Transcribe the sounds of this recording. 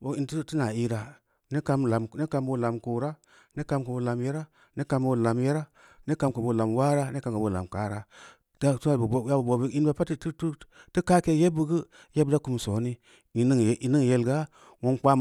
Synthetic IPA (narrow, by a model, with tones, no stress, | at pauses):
bo˨i˦ntu˦ti˦na˨i˦ɾa˨ | ne˦ka˦mla˨m˨ne˦ka˨˦mbo˦la˨mko˨ɾa˦ | ne˦ka˧˦mku˨bo˨la˨mje˦ɾa˦ | ne˦ka˨mbo˦˨la˨mje˦ɾa˦ | ne˦ka˨˦mku˨bo˨la˨mwa˦ɾa˦ne˦ka˨mka˨bo˨la̰˨mka˦ɾa˦ | tu˦a˨ja˦bu˨bo˨bi˦i˦nba˦pa˦tttti˦ka˦ke˦je˦bu˦ɡə˦ | je˦bda˦ku˨˦m˨so˨˦ni˦ | i˨i˦ŋ˨ʔi˨ni˦˨je˨lɡa˦ | wo˦nk͡pa˦m